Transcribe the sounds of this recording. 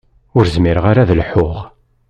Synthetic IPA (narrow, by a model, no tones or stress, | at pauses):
ʊɾzmɪɾəʁaɾaðlħʊʁ